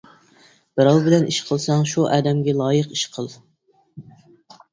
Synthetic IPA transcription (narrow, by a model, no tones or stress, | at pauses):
b̥ɨɾɑlˠbɪlɛnʔiʃqʰəlˠsɑŋʃuʔɛːd̪ɛmɡʲɛlˠɑːjəqiʃqʰəlˠ